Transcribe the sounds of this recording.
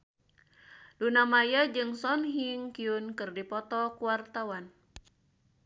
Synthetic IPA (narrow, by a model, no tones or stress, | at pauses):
lunamajad͡ʒɨŋsɔnɦiŋkiunkɨrdipɔt̪ɔkuwart̪awan